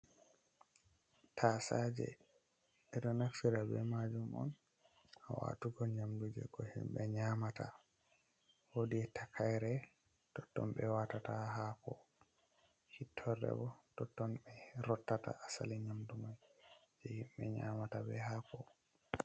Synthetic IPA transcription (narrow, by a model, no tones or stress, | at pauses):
tʰasad͡ʒɛ̰ | ɛɗɔnaksiɾabɛ̰mad͡ʒumʔɔ̰n | awa̰tuɡɔɲamdud͡ʒɛ̰ɡɔhḭmɓɛɲamata̰ | wodiɛtʰakʰajɾɛ | tɔtːɔmɓɛwatataɦakɔ | hitʰːɔrɛ̰bɔtɔtːɔmɓɛɾɔtːata̰ʔːsaliɲamdumajd͡ʒɛhimɓɛɲa̰matabɛhakɔ